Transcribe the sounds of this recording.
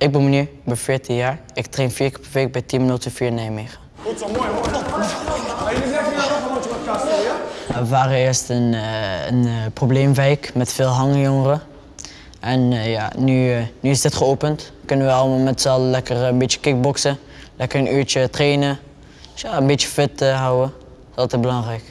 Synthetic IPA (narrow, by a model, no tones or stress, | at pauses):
ʔɪk̚bəmənybəfɪːɹtijaːɹɪktrenfiːɹkəpɛɹʋejk̚bɛjtinmənotəfiːɹnɛjmeχan | əʋaːrəɪːɹstənənprobleːmʋɛjkmɛtfɪːlˠɦɑŋjɔŋərə | ʔɛnja̰nynyɪsdɪtχəoːpəntkɵnənʋəɑlˠəmaːlˠmɛtsɛlˠlɛkərəbett͡ʃə̥kɪk̚bɔksə | lɛkəɹənʔyːɹt͡ʃətreːnə | dsjaənbet͡ʃəfɪtəɦɔwə | sɑlˠtɛt̚bəlɑŋrɛjk